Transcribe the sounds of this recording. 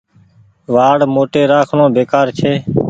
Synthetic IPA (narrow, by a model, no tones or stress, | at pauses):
ʋaːɽmoːʈeːɾaːkʰɳõːbeːkaːɾt͡ʃʰeː